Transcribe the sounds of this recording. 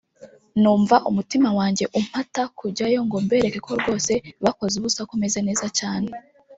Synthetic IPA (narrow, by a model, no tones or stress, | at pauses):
nuːɱvaʔumutimawaːɲɟe̞ʔum̥hatakuɟajo̞ŋɡo̞mbe̞ːɾeke̞kʰo̞ɾɡwo̞ːse̞βako̞zuβusakume̞ze̞ne̞ːzat͡ʃaːne̞